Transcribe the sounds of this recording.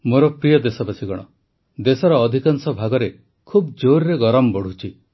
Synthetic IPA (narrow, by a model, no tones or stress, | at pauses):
moɾɔpɾijɔd̪esɔbasʰiɡɔɽ̃ɔ̰ | d̪esɔɾɔːd̪ʱikansɔbʱaɡɔɾe | kʰubd͡ʒoɾɾeɡɔɾɔmbɔɽ̤ut͡ʃʰi